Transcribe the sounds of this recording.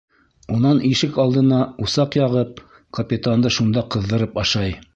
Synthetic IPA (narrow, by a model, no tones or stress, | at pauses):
unɑniʃɘkɑlˠd̪ɤ̆nɑusɑqjɑʁɤp̚ | kɐpʲɪt̪and̪ɤʃund̪ɑqɤ̆ðːɤ̆ɾɤpɑʃɑj